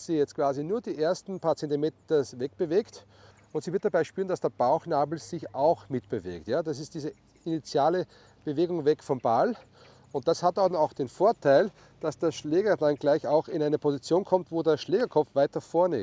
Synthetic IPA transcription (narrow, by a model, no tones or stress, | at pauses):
siːjɛt͡stkv̥aːzinuːɐdiːʔeːɐstn̩pʰat͡sɛntɪmetɐsvɛk̚b̥əveːkt | ʊntz̥iːvɪɐt̚d̥abaɪʃpyːɐnd̥asd̥eːɐb̥aʊxnaːbl̩z̥ɪçaʊxmɪtb̥əvḛːktjaːd̥as̬ɪstd̥iːzə | init͡sjaːlə | b̥əveːɡʊŋvɛkfɔmbal | ʊnt̚d̥ashatanaʊxd̥enfoːɐtʰaɪl | d̥asd̥aɐʃleːɡɐdanɡlaɪçaʊxɪnaɪnəpʰozit͡sjoːnkʰɔmtvoːdeːɐʃleːɡɐkʰɔpp͡fvaɪtɐfɔːɐnɪ̰